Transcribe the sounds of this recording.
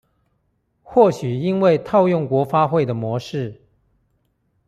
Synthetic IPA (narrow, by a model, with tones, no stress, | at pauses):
xwɔ˥˩ɕy˨˩i˥nwe˥˧ɪt̪ʰɑ˥˧ʊjʊ˥˩ŋkwɔ˧˥fa˥xwe˥˩ɪd̪ə˩mwɔ˧˥ʂɻ̩˥˩